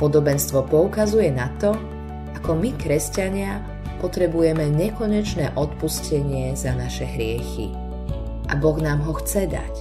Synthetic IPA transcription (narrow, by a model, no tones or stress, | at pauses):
pɔd̪ɔbɛnst̪ʋɔpɔukazujɛnat̪ɔ | akɔmikɾɛscaɲɪa | pɔt̪ɾɛbujɛmɛɲɛkɔɲɛt͡ʃnɛːʔɔt̪puscɛɲɪɛzanaʃɛɦɾɪɛxḭ | ʔa̰bɔɣnaːmɦɔxt͡sɛd̪a̰c